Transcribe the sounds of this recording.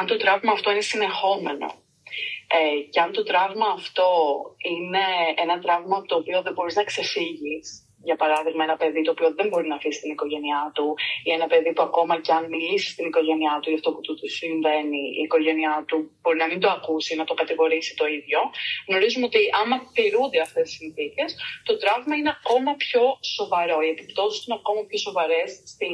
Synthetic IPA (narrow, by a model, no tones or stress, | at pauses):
ɐnt̪o̞t̪ɾɐvmɐːft̪oine̞sine̞xo̞me̞no̞̰ | ece̞ɐnt̪o̞t̪ɾɐvmɐːft̪o̞ine̞enɐt̪ɾɐvmɐt̪o̞ːpio̞ðebo̞ɾiznɐkse̞fiʝis | ʝɐpɐɾɐðiɣmɐenɐpe̞ðit̪o̞ːpio̞ðe̞mbo̞ɾinɐfisi̥st̪iniko̞ʝe̞niɐt̪uie̞nɐpe̞ðipuɐko̞mɐceɐnmilisi̥st̪iniko̞ʝe̞niɐt̪ujɐft̪o̞put̪usiɱve̞niḭːko̞ʝe̞niɐt̪ubo̞ɾinɐmind̪oɐkusinɐt̪o̞kɐt̪iɣo̞ɾisi̥t̪o̞iðʝo̞ɣno̞ɾizumeo̞t̪iʔɐmɐt̪iɾund̪e̞ɐft̪esi̥sinθice̞st̪o̞t̪ɾɐvmɐineɐko̞mɐpço̞so̞vɐɾo̞ie̞pipt̪o̞sist̪ineɐko̞mɐpço̞so̞vɐɾe̞sːt̪i